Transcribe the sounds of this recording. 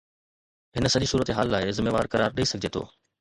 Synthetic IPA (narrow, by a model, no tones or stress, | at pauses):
ɦɪnəsɐʄisuːɾət̪eɦaːlːaːɪzɪmeːʋa̰ːɾkɐɾaːɾɗiisɐɡʱɪd͡ʑeːt̪ʰo̰ː